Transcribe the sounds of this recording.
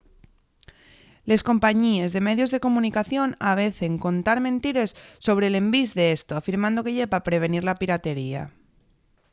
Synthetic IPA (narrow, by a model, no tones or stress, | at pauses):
le̞sko̞mpaɲie̞zðe̞me̞ðjo̞zðe̞ko̞mũnikaθjo̞naβ̞e̞θe̞ŋko̞nt̪aɾmẽnt̪iɾe̞sːo̞β̞ɾe̞le̞mbizðe̞est̪oafiɾmãnd̪o̞ke̞ʝe̞papɾe̞βe̞niɾlapiɾat̪e̞ɾia̰